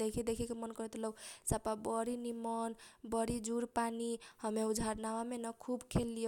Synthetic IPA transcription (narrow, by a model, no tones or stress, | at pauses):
ekʰid̪ekʰikemʌnkʌɾet̪ʰɔlowsapabʌɾinimɔnbʌɾid͡ʒuɾpanihʌmeud͡ʒʱaɾnawamenʌkʰubkʰelːijo